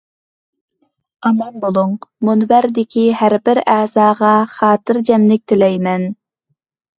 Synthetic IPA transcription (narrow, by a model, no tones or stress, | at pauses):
ɑmɑnbolˠuŋmunbæɾd̪ɪkʲʰihæɾbɪɾɛːzɑːʁɑχɑːt̪ɨɾd͡ʒɛmlɪk̚ʲt̪ʰɪlɛjmɛn